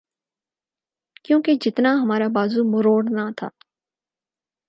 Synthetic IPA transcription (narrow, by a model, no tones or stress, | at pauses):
kjõːked͡ʒɪt̪naɦɐmaːɾabaːzumʊɾoːɽnat̪ʰa̰ː